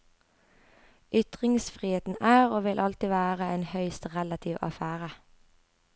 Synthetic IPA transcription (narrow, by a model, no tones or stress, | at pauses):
ʔʏt̪ʁɪŋsfʁiːheːt̪n̩æːʁoːʋɪlʔɑlt̪ɪʋæːʁəeːnhœʏst̪ʁɛlɑt̪ʰiːʋɑ̰fæːʁə